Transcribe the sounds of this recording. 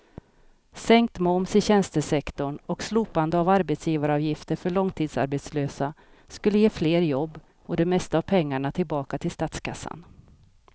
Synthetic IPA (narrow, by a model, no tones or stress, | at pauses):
sɛŋk̚t̪mɔmsɪɕɛnst̪əsɛkt̪ɔɳɔksluːpand̪əavaɾbɛt̪sjiːvaɾɑːvjɪft̪əɾfœɭɔŋt̪ʰiːd̪sa̰ɾbet̪sløːsa | skɵlːəjeːfleːɾjɔbː | ɔd̪ɛmɛst̪aːvpʰɛŋːaɳat̪ʰɪlbɑːkat̪ʰɪlst̪at̪skasːa̰n